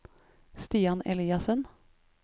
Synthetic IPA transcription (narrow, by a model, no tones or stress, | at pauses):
st̪iːɑnɛliːɑsən